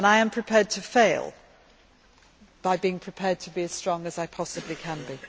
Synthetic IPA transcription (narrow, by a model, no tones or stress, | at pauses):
ə̃naɪə̃mpʰɹ̥ɨpʰɛːd̚tʰəfeɪlˠ | b̥aɪbiɪ̃ŋpʰɹ̥ɨpʰɛːd̚tʰəbiɨz̥stɹ̥ɒ̃ŋəzaɪpʰɒsəblikʰə̃nbi